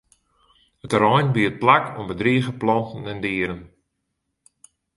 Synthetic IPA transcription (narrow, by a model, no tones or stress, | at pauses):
ətrɔjnbiət̚plakʰombədriəɣəplɔntn̩ɛndiəɾən